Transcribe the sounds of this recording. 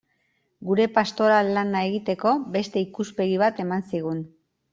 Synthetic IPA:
ɡuɾe̞past̪o̞ɾalːanae̞ɣit̪e̞ko̞be̞st̪e̞ikuspe̞ɣiβ̞at̪e̞mansiɣ̞un

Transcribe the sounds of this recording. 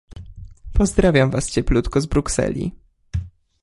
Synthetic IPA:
pɔzd̪ɾavʲjamvast͡ɕɛplut̪kɔzbɾuksɛ̰lʲḭ

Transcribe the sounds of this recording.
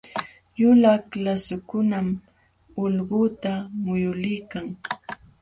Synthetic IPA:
jʊlaklasʊkʊnam | ʊlɢʊt̪amʊjʊlɪjkaŋ

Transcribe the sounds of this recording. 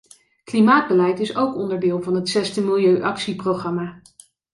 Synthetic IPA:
klimaːd̚bəlɛjtɪsowkɔndəɹdɪːlˠvɑnɦətsɛstəmɪlˠjøɥʔɑksiprowχrɑmaː

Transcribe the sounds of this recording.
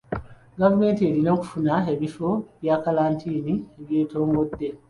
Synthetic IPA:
ɡavumentedinoku̥funaɦeβifobjakalantʰiːniheɡeːtoːŋɡodːe

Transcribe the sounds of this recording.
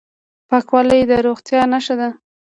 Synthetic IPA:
pakwɑləjd̪əɾoɣt̪jɑnaʃad̪a

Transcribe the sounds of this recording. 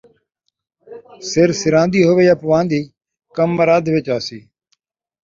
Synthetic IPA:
sɪɾsɪɾãːnd̪iːɦoʋeːjaːpʊʋãːnd̪iː | kəmːəɾaːd̪ʱʋɪt͡ʃaːsiː

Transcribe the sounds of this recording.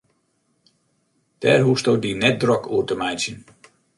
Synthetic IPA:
d̥ɛːrɦustot̚dinɛt̚drɔkʰuərtəmɛjsjən

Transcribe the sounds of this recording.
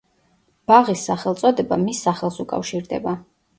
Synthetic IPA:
b̥aʁisːaχɛlˠt̪sʼɔd̪ɛbamisːaχɛlˠsukʼa̰fʃiɾd̪ɛ̰ba

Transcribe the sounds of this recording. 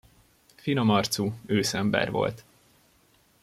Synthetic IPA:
finomɒrt̪suøːsɛmbɛ̰rvo̞̰lt̪

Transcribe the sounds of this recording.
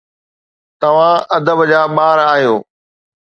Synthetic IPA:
t̪ɐʋ̤ãɐd̪əbd͡ʑaːɓaːɾaːɦjoː

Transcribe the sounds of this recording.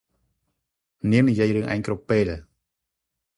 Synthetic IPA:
niəmnijiəjrɨəŋʔa̰ɛŋkrupːeːl

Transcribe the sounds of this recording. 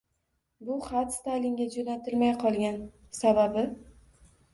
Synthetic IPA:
bʊχat̪st̪ajlɪŋɡʲad͡ʒonat̪ʰɪlmajqʰɒlˠɡʲan | sababɪ

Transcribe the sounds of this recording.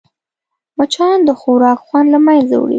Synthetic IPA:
mat͡ʃɑnd̪əxoɾɑkxwɑnlamajnza̰wɽḭ

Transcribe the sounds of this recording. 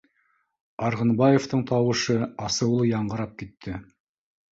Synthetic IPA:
ɑɾʁɤ̆nbɑjeft̪ɤɴt̪ɑwɤ̆ʃɤɑsɤ̆wlˠɤjɑɴɢɤ̆ɾɑp̚kit̪ʰːɘ

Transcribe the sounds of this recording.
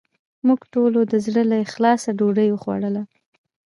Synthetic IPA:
muɡʈolod̪əzɽəlajxlɑsaɖoɖəjwəxwa̰ɽəla

